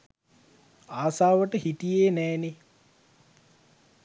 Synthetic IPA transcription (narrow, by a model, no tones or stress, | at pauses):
aːsaːʋəʈəɦit̪ijeːnɛːne